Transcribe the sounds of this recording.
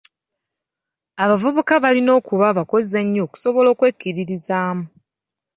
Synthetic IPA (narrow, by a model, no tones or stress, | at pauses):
aβavuβukaβalino̞ːkuβaβako̞zeɲːo̞ːku̥so̞βo̞lo̞ːkwe̞kːiɾiɾizaːmu